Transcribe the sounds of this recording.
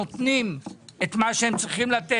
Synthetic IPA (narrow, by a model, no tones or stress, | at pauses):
ot̪nime̞t̪maʃeemt͡sʁiχimlat̪e